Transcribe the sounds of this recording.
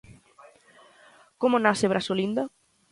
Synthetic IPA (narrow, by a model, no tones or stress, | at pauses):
komonasɪβɾasolind̪ɐ